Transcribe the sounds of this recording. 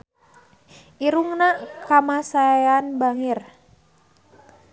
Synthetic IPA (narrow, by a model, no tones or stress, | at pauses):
ʔiɾuŋnakamasaajanbaŋir